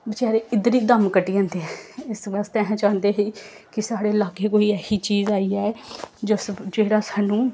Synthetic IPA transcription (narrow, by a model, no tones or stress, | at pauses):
bɪt͡ʃaːɾeːɪd̪əɾiːd̪əmkəʈiːãːnd̪eɛɪsbast̪ɛ̃ːɦãːt͡ʃãːnd̪eːɦiː | kɪsaːɽeːlaːɡeːkoːiːɛːsiːt͡ʃiːzaːiːɛːɛd͡ʒosd͡ʒeːɽaːsaːnũː